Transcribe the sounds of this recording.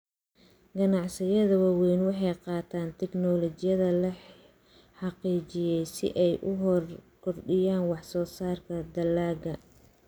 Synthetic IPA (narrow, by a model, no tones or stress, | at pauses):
ɡɐnɑʕsɪjɐðɐwɑːwɛjnwɑħɑjqɑːt̪ʰaːnt̪ʰɛɡnɔlɔt͡ʃɪjɐðɐlɐ | ħɑqiːt͡ʃɪjɛjsɪ̰ʔɛjʔʊɦɔrkʰɔrɖɪjaːnwɑħsɔːsaːrkʰɐd̪ɐlːaːɡɐ